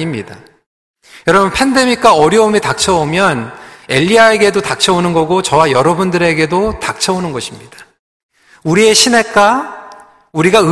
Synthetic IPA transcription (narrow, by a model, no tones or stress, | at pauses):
imɲida | jʌɾʌbɯnpʰende̞mik͈aʌɾjʌumitak̚t͡ɕʰʌomjʌne̞ʎːiae̞ɡe̞dotak̚t͡ɕʰʌonɯnɡʌɡot͡ɕʌwajʌɾʌbundɯɾe̞ɡe̞dotak̚t͡ɕʰʌonɯnɡʌɕʰimɲid̥ḁ | uɾie̞ɕʰine̞k͈a | uɾiɡaɯ